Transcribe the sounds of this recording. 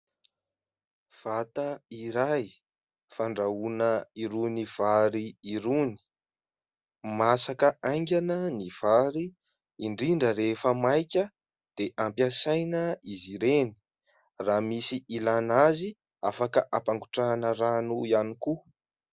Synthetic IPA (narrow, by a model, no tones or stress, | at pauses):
v̥at̪aiɾaj | faɳɖ͡ʐaunəiɾuniv̥aɾiːɾuni̥ | masakəajŋɡʲanəniv̥aɾiː | ɳɖ͡ʐiɳɖ͡ʐəɾefəmajkʲə | d̪̥eʔampjasajnəiziɾeni̥ | ramisiilanazi | afakəʔapaŋɡuʈ͡ʂanəɾanuianiku